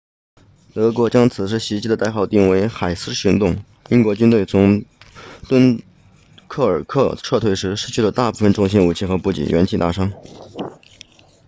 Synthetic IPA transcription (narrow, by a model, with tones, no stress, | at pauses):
t̪ɤ˧˥kwɔ˧˥t͡ɕjɑ˥ŋt͡sʰɹ̩˨˩ʂ̬ɻ̩˥˩ɕi˧˥t͡ɕi˧˥d̪ə˧a˥˧ɪxɑ˥˧ʊt̪i˥˩ŋwe˧˥ɪxa˨˩ɪsɹ̩˥ɕi˧˥ŋt̪ʊ˥˩ŋ | i˥nkwɔ˧˥t͡ɕy˥nt̪̬we˥˩ɪt͡sʰʊ˧˥ŋ | t̪wə˥n | kʰɤ˥˩ə˞˨˩kʰɤ˥˧ʈ͡ʂʰɤ˥˧t̪ʰwe˥˩ɪʂɻ̩˧˥ʂɻ̩˥t͡ɕʰy˥˩lə˩t̪a˥˧pu˥˩fə˨˩nʈ͡ʂʊ˥˧ŋɕ̬i˥nu˨˩t͡ɕʰi˥˩xɤ˧˥pu˧˥˩t͡ɕḭ˨˩ɥɛ˧˥nt͡ɕʰi˥˧t̪a̰˥˩ʂɑ˥ŋ